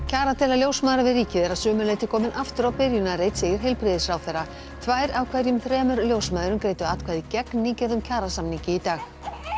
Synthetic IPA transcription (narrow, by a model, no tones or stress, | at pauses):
cʰaːɾat̪ʰɪlaljowsmaðɾavɪðriːcɪðɛɾaðsʏːmʏleːjt̪ɪkʰɔːmɪnʔaft̪ʏɾawpɪɾjʏnaɾejt̪seːjɪɾ̥ɦejlpɾɪðɪsfɾawθɛrːa | t̪ʰvajɾawkʰvɛɾjʏmθɾɛːmʏɾljoːwsmaːðʏɾʏmkɾeːjt̪ʏaːt̪kʰvaːðicɛknɪcɛɾðʏmcʰaːɾasamniɲcɪit̪aːx